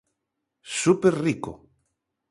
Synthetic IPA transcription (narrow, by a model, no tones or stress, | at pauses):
supeɾriko̰